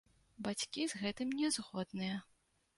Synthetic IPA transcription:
bat͡sʲkʲizɣɛt̪ɨmnʲɛzɣɔd̪nɨjɐ

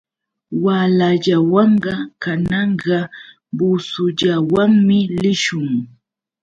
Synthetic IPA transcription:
walaʎawɑɴɢɑkanɑɴɢɑ | bʊsʊʎawaŋmɪlɪʃʊŋ

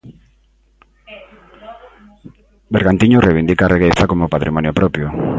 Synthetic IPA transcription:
beɾɣant̪iɲorʔeβind̪ikareɣeθakomopat̪ɾimɔnjopɾɔpjo

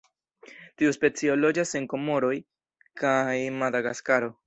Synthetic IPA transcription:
tiuspe̞t͡sio̞lo̞d͡ʒase̞ŋko̞mo̞ɾo̞j | kajmadaɡaskaɾo̞

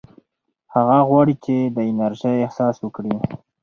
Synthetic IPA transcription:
haɣaɣwɑɽit͡ʃed̪əɪnaɾʒajɪhsɑswəkɽi

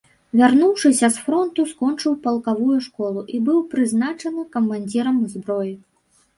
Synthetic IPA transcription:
vʲarnuwʂɨsʲɐsfɾɔnt̪uskɔnt͡ʂɨwpɐlˠkavujuʂkɔlˠuʔibɨwpɾɨznat͡ʂɐnɨkɐmːanʲd͡zʲiɾɐmzbɾɔji

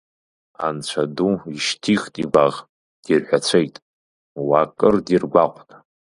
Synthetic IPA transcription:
a̰nt͡ɕʷʰaduiʃtʰiχtʼiɡʷaʁ | d̥irħʷᶣat͡sʷʰejtʼ | wakʼɨrdirɡʷaqʷʼn

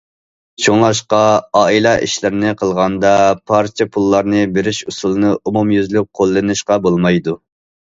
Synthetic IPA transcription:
t͡ʃʰoŋlˠɑʃqɑɑːilˠɑʔḭʃlɪɾɪnɪqʰəlˠʁɑnd̪ɑpʰɑɾt͡ʃʰepʰulˠːɑɾnɨbeɾɪʃusulˠɨnɨʔumumjyzlyk̚ʲqʰolˠːɨnɨʃqɑbolˠmɑjd̪u

